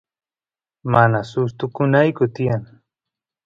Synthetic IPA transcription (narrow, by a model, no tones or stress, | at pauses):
manasʊst̪ʊkʊnajkʊt̪ɪjaŋ